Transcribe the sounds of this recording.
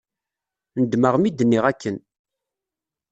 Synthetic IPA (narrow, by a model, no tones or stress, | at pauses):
nəd̪məʁmid̪ənːiʁækʰːən